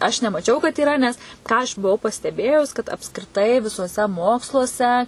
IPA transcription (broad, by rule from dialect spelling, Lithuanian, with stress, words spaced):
ɐʃ nʲɛmɐˈt͡ʃʲɛʊ kɐt iːˈrɐ nʲɛs ˈkɑː ɐʃ bʊˈʋɐʊ pɐsʲtʲɛˈbʲeːjʊs kɐt ɐpskrʲɪˈtɐɪ ʋʲɪsuɔˈsʲɛ ˈmoːkslˠuɔsʲɛ